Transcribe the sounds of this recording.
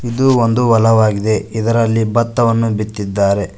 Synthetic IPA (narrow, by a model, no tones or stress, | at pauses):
id̪uond̪uʋɐlɐʋaːɡid̪e̞id̪ɐɾɐlːibɐt̪ːɐʋɐnːubit̪ːid̪ːaːɾe̞